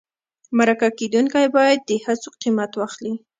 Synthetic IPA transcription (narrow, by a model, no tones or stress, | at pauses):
maɾakaked̪uŋkajbɑjad̪̚ːəhat͡soqimat̪waxli